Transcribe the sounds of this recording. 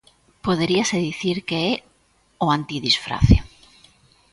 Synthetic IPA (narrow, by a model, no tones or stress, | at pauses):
poðeɾiaseðiθiɾkeɛ | oant̪iðisfɾa̰θjo